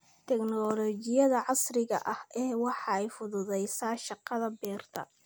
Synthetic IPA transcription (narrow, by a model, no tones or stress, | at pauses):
t̪ʰɛɡnɔlɔt͡ʃɪjɐðɐʕɑsrɪɣɐ̰ʔɐhʔɛːwɑħɑɛjfʊðʊðɛjsaːʃɑqɑðɐbɛːrt̪ʰɐ̰